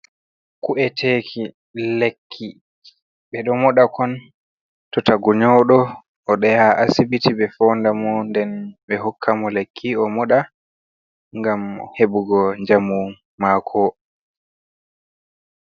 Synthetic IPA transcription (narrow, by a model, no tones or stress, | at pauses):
kuɛtʰekʰi | lekʰːi | ɓɛɗɔmɔɗakʰɔn | tɔtaɡuɲɔɗɔ | ʔɔɗɛjaʔasibitibɛfɔndamɔndɛnɓɛɦɔkʰːamɔlekʰːiɔmɔɗa | ŋɡamhebuɡɔɲd͡ʒamu | makʰɔ